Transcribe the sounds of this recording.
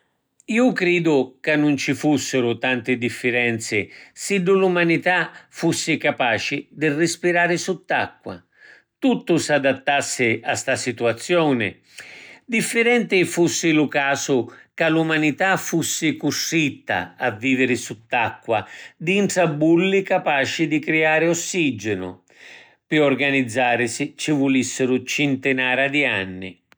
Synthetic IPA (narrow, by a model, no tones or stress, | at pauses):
iːʊkɾiːd̪ʊkanːʊnt͡ʃifusːɪɾʊt̪ant̪ɪd̪ifːɪɾɛnt̪sɪsiɖ̪ːʊlumanit̪afusːɪkapaːt͡ʃɪd̪ɪrːɪspiɾaːɾɪsut̪ːakːwa̰ | t̪ut̪ːʊsad̪at̪ːasːɪast̪asit̪uat̪sːjɔːnɪ̰ | d̪ifːɪɾɛnt̪ɪfusːɪlʊkaːsʊkalumanit̪afusːɪkuʂːit̪ːa̰avːiːvɪɾɪsut̪ːakːwad̪int̪sabːulːikapaːt͡ʃɪd̪ikɾiaːɾɪɔsːid͡ʒɪnʊ̰ | pɪɔrɡanid̪zːaːɾɪsɪt͡ʃivulisːɪɾʊt͡ʃɪnt̪ɪnaːɾad̪ianːɪ̰